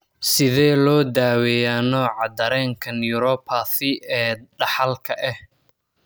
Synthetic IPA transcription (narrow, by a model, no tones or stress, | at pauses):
sɪðɛːlɔːd̪aːwɛjaːnɔːʕɑd̪ɐɾɛːŋkʰɐnjʊɾɔpʰaθɪɛːɖɑħɑlkʰɐʔɛh